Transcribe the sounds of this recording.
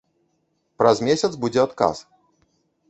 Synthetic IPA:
pɾɐzmʲesʲɐt̪sbud͡zʲɛat̪ka̰s

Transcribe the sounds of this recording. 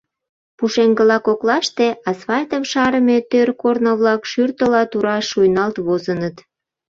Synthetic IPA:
puʃeŋɡəlɑkoklɑʃt̪eɑsfɑlt̪əmʃɑɾəmet̪ørkornoβlɑkʃyrt̪əlɑt̪uɾɑʃujnɑlt̪βozənət̪

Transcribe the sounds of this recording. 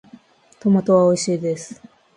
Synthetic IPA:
t̪omat̪o̞βaoiɕiːd̪esɨ̥

